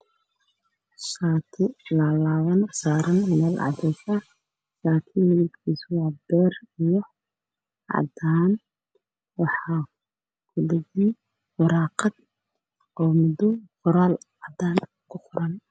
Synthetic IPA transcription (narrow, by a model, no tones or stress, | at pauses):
saːt̪ʰɪlɐlaːwɐnsaːɾɐnmɛːlɑ̰d̪ɛfɐ | saːk̪ʰiːnːɪjɪd̪kʰiːswɑːbɛːrijɔ | ʕɑ̰d̪aːn | wɑħɑː | ɡ̥ʰʊdɐɣiː | wɑɾɑːqɑd̪ | ɔːmʊd̪ɔfʊɾaːlʕɑd̪aːn | kʰʊqʊɾɐn